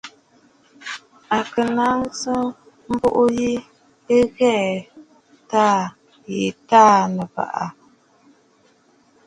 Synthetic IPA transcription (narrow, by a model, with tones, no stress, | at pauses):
a˨kɨ˨na˦ŋsɨ˦ | m̩˦bo˦ʔʊ˦ji˦ | ə˦ɣɛː˦˨ | taː˦˨ | je˨taː˦˨nɨ˨ba̰˨ʔa˨